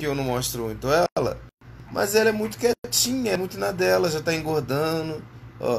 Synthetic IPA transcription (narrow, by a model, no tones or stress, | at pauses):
ɪewnɐ̃w̃mɔʃt̪ɾõĩj̃t̪õɛlɐ̰mʔɐ̰zɛlɐɛmũj̃t̪ʊ̥kɛt͡ʃĩɲɐɛmũj̃t̪ʊnad̪ɛlɐʒat̪aĩŋɡoɾd̪ɐ̃nʊɔ̰